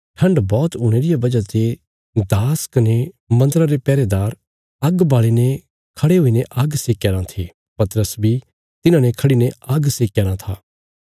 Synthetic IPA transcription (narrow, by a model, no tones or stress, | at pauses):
ʈʰɐ̃ɳɖbɔːt̪uːɽ̃eːɾɪjabɐd͡ʒat̪e | d̪aːskɐne | mɐ̃nd̪əɾaɾepɛːɾed̪aːɾ | ɐɡbaːɭene | kʰɐɽeɦʊineʔɐɡseːkjaːɾãt̪ʰe | pɐt̪ɾəsbʱi | t̪ɪnãːnekʰɐɽineɐɡseːkjaːɾãt̪ʰaː